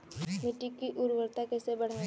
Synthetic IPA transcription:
mɪʈikːiʔʊɾʋəɾt̪akɛːsebɐɽ̤a

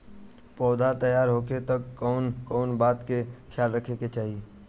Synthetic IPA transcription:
pɔːd̪ʱat̪əjaːɾɦoːket̪əkːɔʊnkɔːnbaːt̪kekʰjaːlɾəkʰeket͡ʃaːɦie

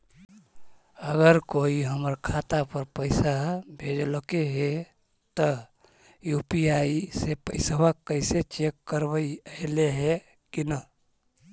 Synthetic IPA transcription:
əɡəɾkoiɦəməɾkʰat̪apəɾpəɪsabʱed͡ʒlokeɦe | t̪ə | jupiaisepəɪsəbakəɪset͡ʃekːəɾbəjəɦleɦe | kinə

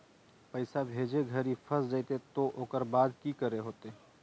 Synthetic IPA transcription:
pəɪsabʱeːd͡ʒeɡʱəɾipʰəsd͡ʒajt̪et̪oʔoːkəɾbaːd̪ʱkikəɾeɦoːt̪e

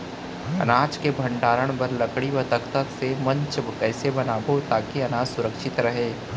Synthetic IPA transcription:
ɐ̰naːt͡ʃkebʱɐ̃ɳɖaːɾəɽ̃pɐɾlɐkɽiʋɐt̪əkt̪ət̪semɐ̃ɲt͡ʃbkɛːsebɐnaːbot̪aːkiɐnaːd͡ʒsʊɾəkʃɪt̪ɾɐɦeː

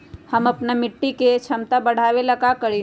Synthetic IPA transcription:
həməpnamɪʈːiket͡ʃʰəmt̪abəɽ̤aʋeləɡakəɾi

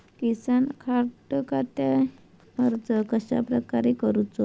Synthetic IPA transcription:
kisankʰaɾʈəkat̪a | məɾd͡zəkəɕa̰pɾəkaɾekəɾut͡sɔ

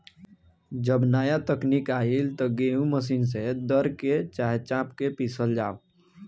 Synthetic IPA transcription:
d͡ʒəbnajat̪əknikailt̪ɔɡeũməs̬ins̬ed̪əɾket͡ʃaɦet͡ʃãpkepisəld͡ʒaːo

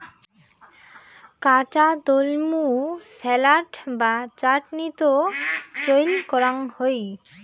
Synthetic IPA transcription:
kat͡ɕad̪olmusɛlaʈbat͡ɕaʈnit̪ot͡ɕojlkɔɾaŋhoj

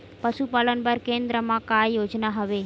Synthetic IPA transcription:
pəʃupalənbəɾkẽnd̪ɾəmãkajod͡ʒnaɦəʋe

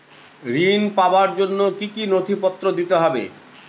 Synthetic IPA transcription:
ɾinpabaɾd͡ʑonːokikinot̪ʰipɔt̪ːɾod̪it̪eɦɔbḛ

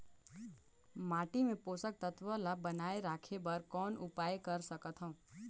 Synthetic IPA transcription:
maːʈimẽpoːsək̚t̪ət̪ʋəlabənaːeɾaːkʰebəɾkɔːnʊpaːjkəɾsəkət̪ɦɔ̃ũ

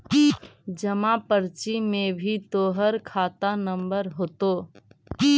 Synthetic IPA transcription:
d͡ʒəmãpəɾt͡ʃimẽbʱit̪oːɦəɾkʰaːt̪anə̃mbəɾɦoːt̪oː

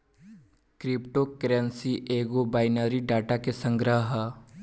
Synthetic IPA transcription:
kɾɪpʈokɾənsiʔeːɡobaːɪnəːɾiɖaːʈakesə̃ŋɡɾəɦə

